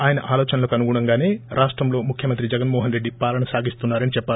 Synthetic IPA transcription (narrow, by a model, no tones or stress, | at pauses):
aːjɐnɐʔaːloːt͡ʃɐnɐlokɐnuɡuɳɐŋɡaːne̞ːɾʔaːʂʈɾɐmlo̞ːmukʰjɐmɐnt̪ɾid͡ʒɛɡɐnmoːɦɐnɾe̞ɖːipaːlɐɳɐsaːɡist̪unːaːɾɐnit͡ʃɛpːaː